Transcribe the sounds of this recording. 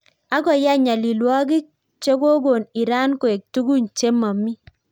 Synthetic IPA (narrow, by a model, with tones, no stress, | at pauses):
a˦ɡɔ˨ja˦ɲa˨li˨lwɔ˦ɡi˦ | t͡ʃo˦ɡo˦ɡo˨ni˨ɾa˦nko˨e˨k̚tu˦ɡu˦˨nt͡ʃe˦ma˨mi˦